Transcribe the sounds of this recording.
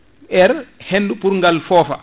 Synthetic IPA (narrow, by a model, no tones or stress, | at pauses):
ʔɛɾhenːdupuɾŋɡalfɔːfa̰